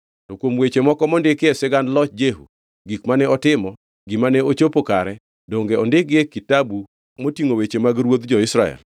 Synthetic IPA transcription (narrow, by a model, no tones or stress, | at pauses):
tokwomwet͡ʃemɔkɔmɔndɪkɪɛsɛɡandlɔt͡ʃd͡ʒeɦṵ | ɡikmanɛɔtɪmɔ | ɡɪmanɛot͡ʃopokaɾɛ | doŋɡeɔndɪɡekitabu | motiŋowet͡ʃemaɡɾwod̪d͡ʒɔɪsɾaɛ̰l